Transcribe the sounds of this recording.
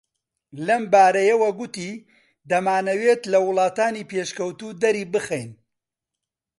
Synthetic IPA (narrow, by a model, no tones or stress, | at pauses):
lɐmbaːɾɐjɐwɐɡʊt̪iː | d̪ɐmaːnɐweːt̪lɐwʊlˠɑːt̪aːniːpeːʃkɐwt̪uːd̪ɐɾiːbɨxejn